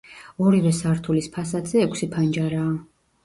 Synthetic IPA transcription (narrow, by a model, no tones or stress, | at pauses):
ɔɾivɛsaɾt̪ʰulispʰasad̪zɛːkʷʰsipʰand͡ʒaɾaː